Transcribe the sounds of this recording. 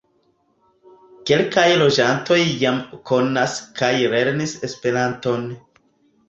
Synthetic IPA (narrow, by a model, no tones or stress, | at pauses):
ke̞lkajlo̞d͡ʒanto̞jːamkʰo̞naskʰajle̞ɾnise̞spe̞ɾanto̞n